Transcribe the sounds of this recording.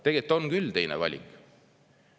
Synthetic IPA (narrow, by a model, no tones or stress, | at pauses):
t̪e̞ɡ̥et̪ːˑonkylt̪e̞jnḛvɑ̰lʲḭkˑ